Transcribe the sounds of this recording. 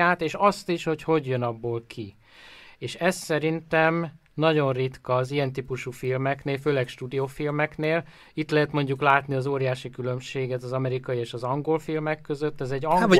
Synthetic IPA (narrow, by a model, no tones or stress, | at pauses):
aːt̪eːʃɒst̪iʃho̞cho̞ɟjønɒbːoːlkʰi | eːʃɛssɛɾint̪ɛm | nɒɟo̞nrit̪kɒːzijɛnt̪iːpuʃufilmɛkneːlføːlɛkʃt̪uːd̪ijofilmɛkneːl | it̪lɛɦɛt̪mo̞ɲɟuklaːt̪niɒzoːɾijaːʃikylø̞mʃeːɡɛt̪ɒzɒmɛɾikɒjieːʃɒzɒŋɡo̞lfilmɛkːø̞zøt̪ːɛzɛɟː